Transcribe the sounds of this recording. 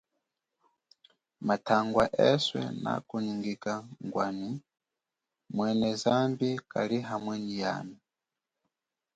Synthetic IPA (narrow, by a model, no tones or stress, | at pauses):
matʰaŋɡwaʔɛswɛ̰na̰kuniŋɡikaŋɡwani | mwɛnɛzambikaliɦamwɛnija̰ni